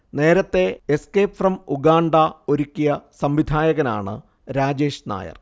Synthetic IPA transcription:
ne̞ːɾɐt̪ːe̞eskeːpfrɐmuɡaːɳɖɐo̞ɾukʲːijɐsɐmʋid̪ʱaːjɐɣɐna̰ːɳɨ̰ | ɾaːd͡ʑe̞ːʂna̰ːjɐ̰r

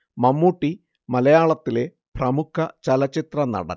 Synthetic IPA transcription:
mɐmːuːʈːi | mɐlɐjaːɭɐt̪ːile | prɐmukʰːɐt͡ɕɐlɐt͡ɕːit̪rɐnɐ̰ɽɐ̰

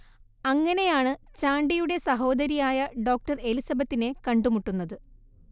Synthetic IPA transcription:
ɐŋːɐne̞jaːɳɨt͡ɕaːɳɖijuɽe̞sɐɦo̞ːd̪ɐɾijaːjɐɖo̞ːk̚ʈɐrelisɐbɐt̪ːine̞kɐɳɖumuʈːunːɐðɨ

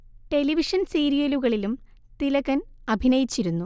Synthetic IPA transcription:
ʈe̞liʋiʂɐnsiːɾijɐluɣɐɭilum | t̪ilɐɣɐnɐbʱinɐjit͡ɕːiɾunːu

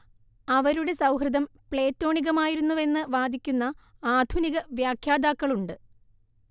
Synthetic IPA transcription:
ɐʋɐɾuɽe̞sɐwɦrɨd̪ɐmpɭe̞ːtːo̞ːɳiɣɐmaːjiɾunːuʋe̞nːɨʋaːd̪ʱikʲːunːɐaːd̪ʱuniɣɐʋjaːkʰjaːd̪aːkːɐɭuɳɖɨ

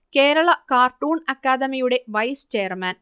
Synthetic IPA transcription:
keːɾɐɭɐkaːrʈːuːnɐkːaːd̪ɐmijuɽe̞ʋɐjst͡ɕeːɐrmɐn

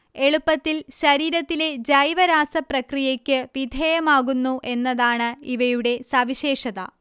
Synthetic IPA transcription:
e̞ɭupːɐt̪ːilɕɐɾiːɾɐt̪ːile̞d͡ʑɐjʋɐɾaːsɐprɐkrijekʲːɨʋid̪ʱeːjɐmaːɣunːuʔe̞nːɐðaːɳɨiʋɐjuɽe̞sɐʋiɕeːʂɐðɐ̰

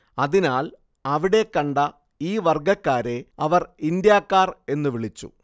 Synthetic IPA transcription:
ɐðinaːl | ɐʋiɽe̞kːɐɳɖɐ | iːʋɐrɡɐkːaːɾe̞ɐʋɐrind̪jaːkːaːre̞nːɨʋiɭit͡ɕːṵ

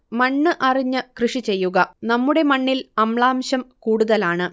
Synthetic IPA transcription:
mɐɳːɨʔɐriɲːɨkrɨʂit͡ɕe̞jːuɣɐnɐmːuɽe̞mɐɳːilɐmɭaːmɕɐmkuːɽuðɐlaːɳɨ

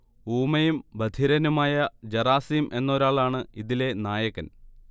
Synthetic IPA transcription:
uːmɐjumbɐd̪ʱiɾɐnumaːjɐd͡ʑɐraːsijumʔe̞nːo̞ːɾaːɭaːɳɨiðile̞naːjɐkːɐn

